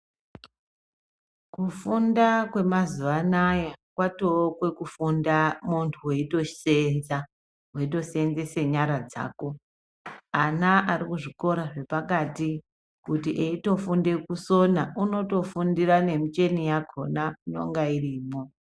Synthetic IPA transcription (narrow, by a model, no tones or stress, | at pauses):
kufundakwe̞mazuʋanajakwatokwe̞kufundamuntʰuwe̞ito̞̥senza | ɦwe̞it̬o̞se̞nzese̞ɲaɾad͡za̰ːko̞ | anaʔaɾikuʐiko̞ɾaʐe̞pakati | kutiʔeito̞funde̞kuso̞nauno̞to̞fundirane̞mit͡ʃe̞nijakʰo̞nano̞̰ŋɡairiːmo